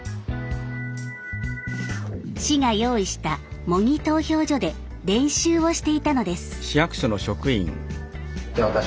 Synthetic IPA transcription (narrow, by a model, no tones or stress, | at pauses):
ɕiŋajo̞ːiɕi̥t̪amo̞ŋʲit̪o̞ːço̞ːʑo̞d̪e̞ | ɾẽ̞ɰ̃ɕɨːβo̞ɕi̥t̪e̞it̪ano̞d̪e̞sɨ̥ɕijakɯ̟̥ɕono̞ɕo̞kɯ̟ḭ̃ŋ | eat̪a